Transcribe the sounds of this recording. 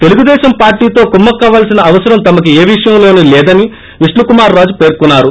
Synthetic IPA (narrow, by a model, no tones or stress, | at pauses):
t̪e̞luɡud̪ɛːʃɐmpaːɾʈiːt̪o̞ːkumːɐkːaːʋaːlsinɐːʋɐsɐɾɐmt̪ɐmɐk̬ieːʋiʂɐjɐmloːnulɛːd̪ɐni | ʋiʂlɐkumaːɾːaːd͡ʒupe̞ːɾkunːaːɾu